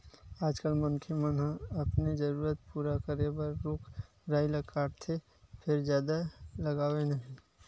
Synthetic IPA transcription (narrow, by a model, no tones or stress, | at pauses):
aːd͡ʒkəlmənkʰemənɦãɐpnid͡ʒəɾuːɾət̪̚puːɾakəɾebəɾːuːkʰ | ɾaːilɐkaːɾt̪ʰe | pʰɪɾd͡ʒjaːd̪alɐɡaːwenɐɦĩ